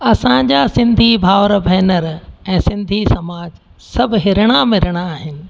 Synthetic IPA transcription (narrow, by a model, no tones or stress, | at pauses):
ɐsãd͡ʑaːsɪ̃nd̪ʱibʱaːʋɾəbʱɛːnəɾɛ̃ːsɪ̃nd̪ʱisɐmaːd͡ʑ | sɐbʱɦɪɾɪɽ̃amɪɾɪɽ̃aːɦɪnɪ̆